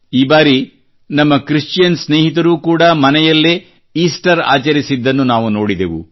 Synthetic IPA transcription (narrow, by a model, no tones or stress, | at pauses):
iːbaːɾi | nɐmːɐkɾiʂʈt͡ʃjɐnsneːɦit̪̬ɐɾuːkuːɽɐmɐnɛjɐlːe | iːsʈɐɾa̰ːt͡ʃɐɾisid̪ːɐnːunaːʋuno̞ːɽid̪eʋṵ